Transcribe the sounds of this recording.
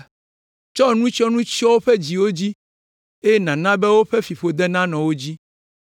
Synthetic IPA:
t͡ʃɔ˦nũ˦t͡ʃɔ˦nũ˦t͡ɕɔ˦wo˦ɸe˦d͡ʑi˨wo˦d͡ʑi˦ | e˦je˦nã˨nã˦bɛ˦wo˦ɸe˦fi˨ɸo˨d̪ɛ˦nã˦nɔ̃˨wo˦d͡ʑi˦

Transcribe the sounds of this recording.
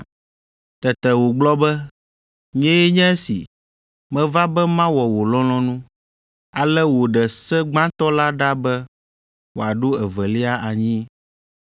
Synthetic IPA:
t̪ɛ˨t̪ɛ˨wo˨ɡ͡blɔ˦bɛ˦ | ɲ˦ɛ̃˦jɛ˦ɲɛ̃˦ɛ˦sḭ˨ | mɛ̃˦va˦bɛ˦mã˦wɔ˨wo˨lɔ̃˦lɔ̃˦nũ˦ | a˨lɛ˦wo˨ɖɛ˨sɛ˦ɡ͡bã˦t̪ɔ˦la˦ɖa˦bɛ˦ | wo˨a˨ɖo˦ɛ˨vɛ˨li˦a˦ʔa˨ɲĩ˦

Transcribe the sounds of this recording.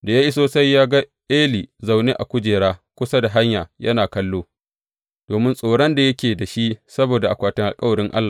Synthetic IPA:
da˨jaː˦ʔi˦soː˨sa˦jːaː˦ɡa˦ʔeː˦liː˨za˨wne˦ʔa˨kʷʊ˦d͡ʒeː˨ɾaː˦kʷʊ˦sa˦da˨ɦa˦ɲjaː˨jɐ̰˦naː˨kɐ˦lːoː˦ | d̥oː˨mɪ˦nsʼoː˨ɽɐ˦nda˨jɐ˦kʲeː˨da˨ʃi˦sɐ˦boː˨da˨ʔa˨kʷaː˨tɪ˦ŋʔa˨kʼɐ˦wɐ˨ɽɪ˦ŋʔa̰˦lːaː˨

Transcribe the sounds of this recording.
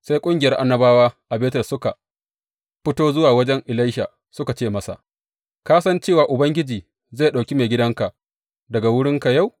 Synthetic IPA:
sa˦jkʷʼʊ˦ŋɡʲjɐ˦rʔa˦nːɐ˦baː˦waː˦ʔa˨beː˦tɐ˨sʊ˦ka˨ | ɸɪ˦toː˦zʊ˦waː˨wɐ˦d͡ʒɛ˦ŋʔɪ˨la˦jʃa̰˨ | sʊ˦ka˨t͡ʃeː˦˨mɐ˦sa̰˨ʔ | kaː˦sɐ˦nt͡ʃeː˦˨waː˨ʔʊ˨bɐ˦ŋɡʲɪ˦d͡ʒiː˨ | za˦˨ɗa˨kʲi˦meː˨ɡʲɪ˦dɐ˦ŋka˨ʔ | dɐ˨ɡa˨wʊ˦ɽɪ˦ŋka˨ja˦˨w

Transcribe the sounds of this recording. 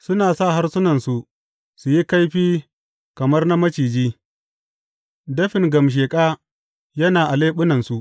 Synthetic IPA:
sʊ˦naː˨sa˦˨ɦa˦rsʊ˦nɐ˨nsu˨ʔ | su˨ji˦ka˦jɸiː˦ | kɐ˨mɐ˦rna˦mɐ˦t͡ʃiː˨d͡ʒiː˦ | dɐ˦ɸɪ˨ŋɡɐ˨mʃ̬eː˨kʼaː˦ | jɐ˦naː˨ʔa˨leː˦ɓʊ˦nɐ˨nsu˨ʔ

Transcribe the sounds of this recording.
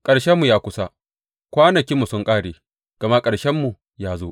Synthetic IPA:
kʼɐ˨ɽʃɛ˦mːu˨jaː˦kʷʊ˦sa˦ | kʷaː˦nɐ˨kʲiː˦mːu˨sʊ˦ŋkʼaː˦˨ɽeː˨ | ɡ̥ɐ˨ma˦kʼɐ˨ɽʃɛ˦mːu˨ | jaː˦zoː˦ʔ

